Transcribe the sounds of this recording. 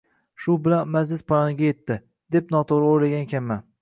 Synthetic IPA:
ʃʊbɪlanmad͡ʒlɪspʰaɾɒnɪɡʲaje̞t̪ʰːɪ | d̪̥e̞pnɒt̪ʰoʁɾaojlaɡʲankʲʰamːan

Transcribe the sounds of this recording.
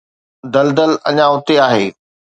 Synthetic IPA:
d̪ɐld̪əlɐ̰ɲãʊt̪eaːɦeː

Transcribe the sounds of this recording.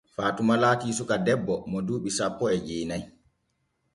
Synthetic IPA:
faːtumalaːtiːsukadɛbːɔmɔduːɓisapːɔɛd͡ʒeːnaj

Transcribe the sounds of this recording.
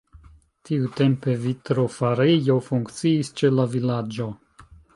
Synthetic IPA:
tʰiute̞mpe̞vitɾo̞faɾejo̞fuŋkt͡siːst͡ʃe̞lavilad͡ʒo̞

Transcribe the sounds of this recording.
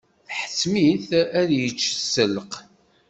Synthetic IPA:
θħə̥sːmiθæðjət͡ʃːsːələq

